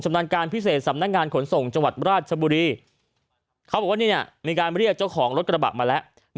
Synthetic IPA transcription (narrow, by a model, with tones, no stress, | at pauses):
t͡ɕa˧mnaː˧nkaː˧npʰi˦˥seː˨˩t̪̚sa˩˦mna˦˥k̚ŋaː˧nkʰo˩˦nso˨˩ŋt͡ɕa˧ŋwa˨˩t̪̚ɾaː˥˩t̪̚t͡ɕʰa˧buː˧ɾiː˧ | kʰa˦˥wbɔː˨˩kwaː˥˩ni˥˩ni˦˥˩əmiː˧kaː˧nɾi˥˩ək̚t͡ɕa˥˩wkʰɔː˩˦ŋɾo˦˥t̪̚kɾa˧ba̰˨˩ʔ̚maː˧lɛ˦˥ʔ | n